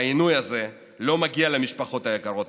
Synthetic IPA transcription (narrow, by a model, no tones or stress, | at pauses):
inujaze̞ | lo̞maɡialemiʃpaχo̞t̪ajeɡaʁo̞t